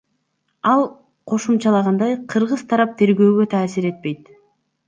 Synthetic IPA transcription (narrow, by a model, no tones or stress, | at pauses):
ɑlˠ | qʰo̞ʃumt͡ʃɑlˠɑʁɑnd̪ɑjqʰɯɾʁɯz̥t̪ʰɑɾɑp̚t̪ʰe̞ɾɡø̞ːɡø̞t̪ʰaːsiɾe̞t̪̚pe̞jt̪